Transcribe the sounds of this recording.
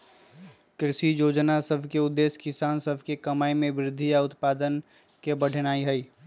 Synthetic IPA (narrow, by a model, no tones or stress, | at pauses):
kɾɪʃijoːd͡ʒnasəbʱkeʊd̪ːeːskɪsaːnsəbʱkekɐmaːimẽʋɾɪd̪ʱːijaʊt̪paːd̪ən | kebəɽ̤ʱnaːiɦɛiː